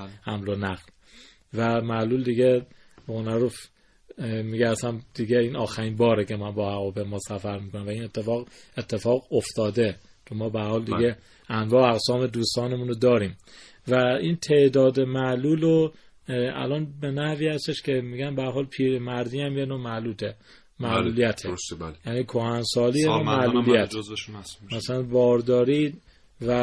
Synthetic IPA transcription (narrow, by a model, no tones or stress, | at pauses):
hæmlonæɣl | væmæluld̪iɡe | ɣonæɾuf | miɡeːsænd̪̥iɡeiːnɒːxæɾiːnbɒːɾeke̞mænbɒːhæɣɒbemɒːsæfæɾmiːkʰonæmvæiːne̞t̪ʰːefɒːɣet̪ʰːe̞fɒːɣoft̪ʰɒːd̪e | t͡ʃʰomːɒːbehæɾhɒːld̪iɡe | ænvɒːæɣsɒːme̞d̪uːst̪ɒːnemuːnod̪ɒːɾiːm | væint̪ʰeʔd̪ɒːd̪emæʔluːlo | æ̰lɒːnbe̞næhviːhæst̪e̞ʃkʰe̞miːɡænbææɾɦɒːlpʰiːɾemæɾd̪iːæmjenoːmæluːt̪ʰe | mæʔluːlijæt̪ʰejæːniːkʰohænsɒːliːjeomæʔllulijæt̪ʰ | mæsælænbɒːɾd̪ɒːɾiː | væ